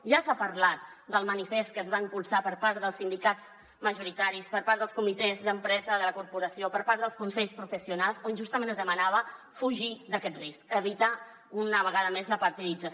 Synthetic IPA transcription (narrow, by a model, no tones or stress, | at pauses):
ʒasapəɾlat̪̚d̪əlˠmənifest̪̚kəːzβaimpulˠsapəɾpaɾðəlˠsind̪ikat͡s | məʒuɾit̪aɾispəɾpaɾəlˠskumit̪ɛzðəmpɾɛzəðələkuɾpuɾəsiopəɾpaɾt̪ðəlˠskunsɛʎspɾufəsiunalˠzonʲʒust̪əmẽnəzðəmənaβ̞ə | fuʒid̪əkɛt̪riskəβ̞it̪a | unəβəɣaðəmezləpəɾt̪ilid͡zə